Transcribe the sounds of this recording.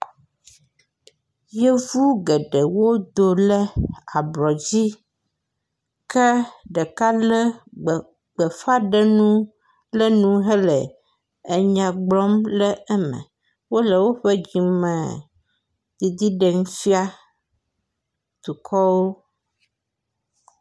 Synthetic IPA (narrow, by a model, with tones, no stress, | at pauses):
je˦vu˦ɡɛ˨ɖɛ˨wo˦d̪o˨lɛ˦a˨blɔ˨d͡ʑi˦ | kɛ˦ɖɛ˨ka˦lɛ˦˨ | ɡ͡bɛ˨fa˦ɖɛ˦nũ˦ | lɛ˦nũ˦ɦɛ˦lɛ˨ | e˨ɲã˨ɡ͡blɔ˦mlɛ˦ɛ˦mɛ̰̃˨ | wo˦lɛ˨wo˦ɸɛ˦d͡ʑi˨mɛ̃˨ | d̪̥i˨d̪i˦ɖe˨ŋu˦fi˦a˦ | t̪u˨kʰɔ˦wo˦